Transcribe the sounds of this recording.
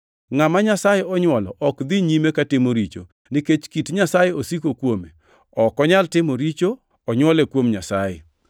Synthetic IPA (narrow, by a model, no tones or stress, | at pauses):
ŋamaɲasajeɔɲwɔlɔ̰ʔɔkd̪iɲimekatɪmoɾit͡ʃo̰ | niket͡ʃkitɲasajeosikokwome | ɔkɔɲaltɪmoɾit͡ʃo | ɔɲwɔlekwomɲasajḛ